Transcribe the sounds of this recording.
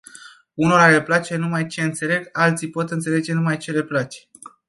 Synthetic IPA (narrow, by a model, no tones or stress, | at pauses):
uno̞ɾaleplat͡ʃe̞numajt͡ʃe̞ɨnt̪se̞le̞ɡalt̪sijpo̞t̪ɨnt̪se̞le̞d͡ʒe̞numajt͡ʃe̞le̞plat͡ʃe̥